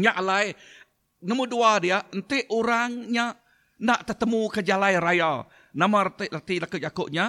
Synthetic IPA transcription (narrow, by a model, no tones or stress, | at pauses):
ɲaʔlaj | nəmuduadiaʔənt̪ɪʔuɾaŋɲa | naʔt̪ət̪əmukəd͡ʒalajɾajal | namaɾt̪ʔlat̪ilakʊd͡ʒakʊʔɲa